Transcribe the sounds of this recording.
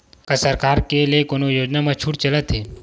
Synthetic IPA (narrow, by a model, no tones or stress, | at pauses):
kɐsɐɾkaːɾkelijekonojoːd͡ʒnamɐt͡ʃʰuːɽt͡ʃələt̪ɦeː